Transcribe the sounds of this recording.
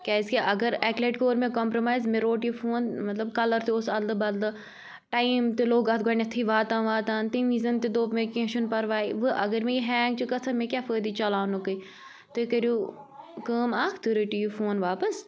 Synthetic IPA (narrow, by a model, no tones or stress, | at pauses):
kʲaːiskeʔɐɡɐɾɛːkleːʈkoːɾmẽkɔmpɾomaːjzmẽɾoːʈjufʰoːnmɐt̪lɐbkɐlɐɾt̪eosɐld̪ɨbɐld̪ɨ | ʈaːimt̪eloːɡɐt̪̚ɡoːnɐt̪ʰiʋaːt̪ãːʋaːt̪ãːnt̪imizɐnt̪ed̪oːpmekẽʃunpɐɾʋaːiʋɨʔɐɡɐɾmẽjiɦɛːŋɡ̚t͡ʃɨkɐt͡sʰɐmẽkʲaːfəːd̪iːt͡ʃɐlaːnukɐi | t̪ɨkɐɾjuː | kəːmaːkʰt̪ɨɾəʈijufoːnʋaːpɐs